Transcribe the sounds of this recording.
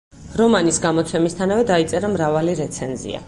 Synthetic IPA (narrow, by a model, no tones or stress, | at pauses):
ɾɔmanisɡamɔt̪sʰɛmist̪ʰanavɛd̪ait̪sʼɛɾamɾavaliɾɛt̪sʰɛnzḭa̰